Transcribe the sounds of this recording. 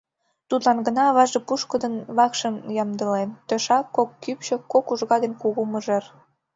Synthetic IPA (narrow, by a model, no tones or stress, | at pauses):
t̪ud̪lɑnɡənɑːβɑʒepuʃkəd̪ənβɑkʃəmjɑmd̪əlent̪øʃɑkːokːypʃə̆kokuʒɣɑd̪enkuɣuməʒer